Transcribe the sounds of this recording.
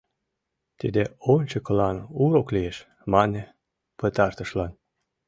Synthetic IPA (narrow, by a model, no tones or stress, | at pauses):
t̪id̪eonʲt͡ɕɤkɤlɑnuɾoklieʃ | mɑnʲe | pət̪ɑrt̪ə̆ʃlɑn